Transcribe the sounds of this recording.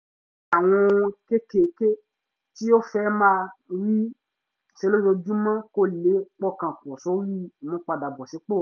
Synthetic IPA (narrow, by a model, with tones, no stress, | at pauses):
a˨w̃ɔ̃˧ke˦ke˨ke˦ | ti˦o˦fɛ˦mãː˦˧ɾi˦ | ʃe˧˦lo˦jo˧d͡ʒũ˦mã˦ko˦le˨˦k͡pɔ˦˨kã˨kɔ˨sɔ˨˦ɾi˦˨mɔ̃˨˦k͡pa˧da˨bɔ˨si˨˦k͡po˦˨